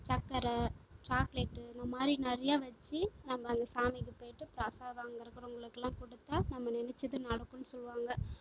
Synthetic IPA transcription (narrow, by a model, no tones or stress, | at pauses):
t͡ʃɐkːɐɾɐt͡ʃaːkleːʈːɯɪnd̪ɐmaːd̪ɾinɛɾɐjaːʋɐt͡ʃːɯnɐmːɐːnd̪ɐsaːmɪkːɯpoːjɪʈːɯpɪɾɐsaːðaːŋɡɐɪɾɯkːɪɾɐ̃ʊŋɡɐɭɯkːɛlːãːkɔɽɯt̪ːaːnɐmːɐnɛnɛt͡ʃːɐðɯnɐɽɐkːʊnːɯsɔlːɯʋaːŋɡɐ